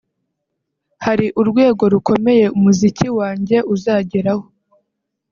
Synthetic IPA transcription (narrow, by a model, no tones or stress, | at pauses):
haɾiʔuɾɡwe̞ːɡo̞ɾukʰo̞me̞je̞umuziciwaːɲɟe̞ʔuzaːɟeɾaho̞